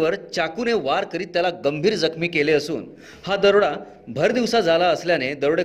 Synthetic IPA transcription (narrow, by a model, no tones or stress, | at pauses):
ʋəɾt͡ɕakuːneʋaɾkəɾiːt̪ːjalaɡəmbʱiːɾd͡zəkʰmiːkeleəsṵːn | had̪əɾɽa | bʱəɾd̪iʋsad͡zʱalaəsljaned̪əɾɽe